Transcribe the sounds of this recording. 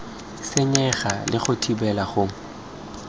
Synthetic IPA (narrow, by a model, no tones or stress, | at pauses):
sɪɲɛχalɪχʊtʰibɛlaχʊ